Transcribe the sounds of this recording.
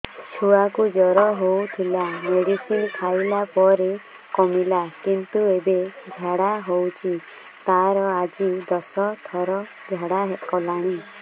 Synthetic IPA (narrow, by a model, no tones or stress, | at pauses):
t͡ʃʰuakud͡ʒɔɾɔɦowt̪ʰilameɽisinpʰajlapɔɾe | kɔmilakint̪uebed͡ʒʱaɽaɦowt͡ʃʰi | t̪aɾɔad͡ʒid̪ɔsɔt̪ʰɔɾɔ | d͡ʒʱaɽaɦekɔlaɽ̃i